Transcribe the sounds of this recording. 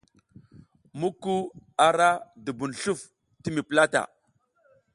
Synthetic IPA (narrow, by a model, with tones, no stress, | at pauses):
mu˦kːu˦a˨ɾa˦du˨bu˨n˨ɬu˦˨f | ti˦mi˨pə˨la˦ta̰˨